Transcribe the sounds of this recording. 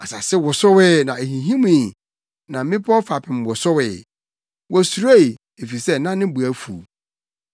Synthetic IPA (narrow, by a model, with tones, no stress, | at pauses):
a˨sa˨sɪ˦wʊ˨sʊ˦wɪ˦nã˨e˨ɦĩ˨ɦĩ˦mũ˦i˨ | nã˨˦mɪ̃˦pʰɔ˦fa˨pʰɪ̃˨m˨wʊ˨sʊ˦wɪː˨ | wɔ˨su˨ɾe˦i˨ | e˨fi˨sɛ˦nã˦nɪ̃˦bu˨æ˦fṵ˨